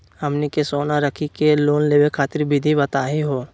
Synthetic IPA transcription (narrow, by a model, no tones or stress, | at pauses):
hɐmnikesoːnaɾɐkʰikeloːnleːʋekʰaːt̪ɪɾbɪd̪ʱibɐt̪aːɦiɦoː